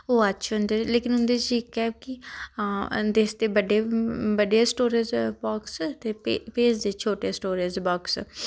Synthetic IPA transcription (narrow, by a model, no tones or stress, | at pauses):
oːətːʃʰɦʊnd̪eːleːkɪnɦʊnd̪eːt͡ʃiɪkːɛːki | d̪eːsd̪eːbəɖeːbəɖeːsʈoːɾezbɔːkst̪eːpːpeːsd̪eːt͡ʃʰoːʈeːsʈoːɾeːzbɔːks